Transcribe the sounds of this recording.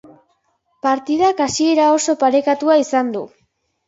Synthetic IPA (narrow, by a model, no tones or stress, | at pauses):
paɾt̪ið̞akasie̞ɾao̞so̞paɾe̞kat̪uaisand̪ṵ